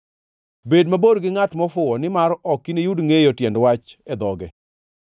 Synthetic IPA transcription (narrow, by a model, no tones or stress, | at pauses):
bedmaboɾɡɪŋatmɔfʊɔnɪmaɾɔkːinejudŋejotjɛndwat͡ʃɛd̪ɔɡɛ